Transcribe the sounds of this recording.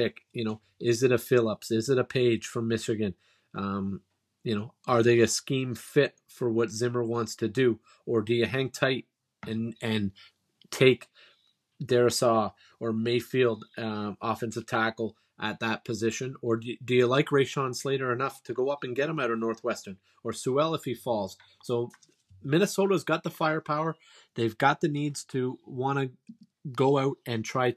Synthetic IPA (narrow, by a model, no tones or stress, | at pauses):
ɪkjɨñoʊ | ɪzɨɾɨfɪlˠəpsɪzɨɾɨpʰeɪd̥ʒ̥fɹʌ̃mːɪʃɨɡɨ̃n | ʔʌ̃m | jɨñoʊə˞ðeɪɨskĩɱfɪt̚fə˞wʌtz̥ɪ̃mə˞wɑ̃ntstʰɨdɨ | ə˞dɨjɨɦæ̃ŋtʰaɪɾ | ɨ̃nɨ̃n | tʰeɪk | d̥ɛɹɨsɔ | ə˞meɪfilˠdɔfɨ̃nsɨv̥tʰækl̩ˠ | ʔɨt̪̚ðət̚pʰɨzɪʃɨ̃nə˞dɨjɨlaɪkɹeɪʃɑ̃nsleɪɾə˞ɨnʌftʰɨɡoʊʌpɨ̃nɡɛɾ̚hɨ̃maʊɾəvnɔɹθwɛstə̃˞n | ə˞suɛlˠəfhifɔlˠz̥ | soʊ | mɪ̃nɨsoʊɾəzɡɑt̪̚ðəfaɪə˞pʰaʊə˞ | ðeɪvɡɑt̪̚ðɨnidz̥tʰɨwɑ̃ɾ̃ɨ | ɡoʊaʊɾɨ̃ntʰɹ̥aɪ